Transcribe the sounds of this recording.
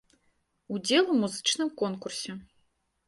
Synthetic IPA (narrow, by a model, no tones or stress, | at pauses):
ud͡zʲɛlˠumuzɨt͡ʂnɨmkɔnkursʲɛ